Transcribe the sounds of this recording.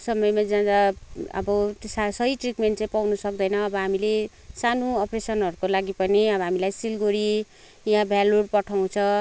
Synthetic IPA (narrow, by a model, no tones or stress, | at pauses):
sʌmʌjmad͡zãd̪aʌ̰bʌsasʌɦiʈrikmenʈt͡saĩpawnusʌk̚d̪ʌjnʌːbʌɦamile | sanoʌpresʌnɦʌɾukolaɡipʌniʌbʌɦamilajsilɡoɾi | jãbʱjaloɽpʌʈʰaw̃t͡sʰʌ̃